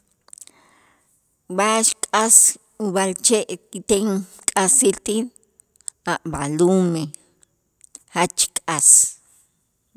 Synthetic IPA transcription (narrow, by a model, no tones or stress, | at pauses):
baʃkʼas | uβalt͡ʃeʔkit̪eŋkʼasilt̪in | aʔbalume | hat͡ʃkʼas